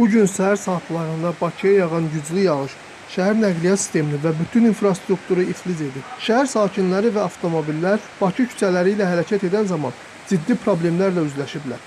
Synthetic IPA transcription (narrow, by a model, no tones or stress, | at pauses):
b̥uɟynsæɦæɾsɑːt̪lˠɑɾɯnd̪ɑbɑcʰijɑjɑʁɑnɟyd͡ʒlijɑʁɯʃ | ʃæɦæɾnæɣlijɑt̪si̥st̪e̞minivæbyt̪ʰyninfɾɑst̪ɾukt̪uɾɯiflize̞d̪ipʃæɦæɾsɑːcʰinlæɾivæɑft̪ʰo̞mobilːæɾ | b̥ɑcʰicʰy̥t͡sʰælæɾiːlæɦæɾæcʰæt̪e̞d̪ænzɑmɑn | zid̪ːipʰɾo̞ble̞mlæɾlæyzlæʃiblæ̰ɾ